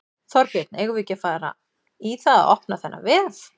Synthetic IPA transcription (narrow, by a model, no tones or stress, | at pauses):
θɔɾpjɛt̪nɛɣʏvɪcafaːɾa̰ | iθaða̰ɔhknaθɛnːa̰vɪθ